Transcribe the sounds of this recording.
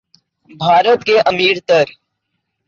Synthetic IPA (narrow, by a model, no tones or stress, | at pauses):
bʱaːɾət̪keʔɐmiːɾt̪əɾ